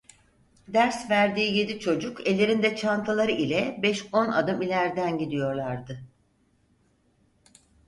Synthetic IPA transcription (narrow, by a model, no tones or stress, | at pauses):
d̪æɾsvæɾd̪iːje̞d̪it͡ʃʰo̞d͡ʒukelʲːe̞ɾind̪ɛt͡ʃʰant̪ʰalˠaɾɯʔilʲɛbɛʃo̞na̰d̪ɯmilʲæɾd̪ænɟid̪ijo̞ɾlˠaɾd̪ɯ